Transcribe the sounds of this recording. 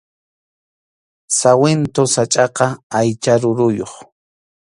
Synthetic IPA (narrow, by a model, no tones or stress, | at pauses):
sawɪnt̪osat͡ʃʼɑqɑajt͡ʃaɾʊɾʊjoχ